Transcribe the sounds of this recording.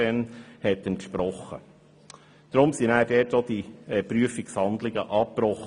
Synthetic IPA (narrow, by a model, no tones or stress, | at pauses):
ɛnhɛt̪ːəntʃpɾɔχːə̰ | d̥ɾʊmsinæːɾdɛtod̥iɛpɾyəfikshɑnd̪lɪɡə̰ʔɑpɾɔχ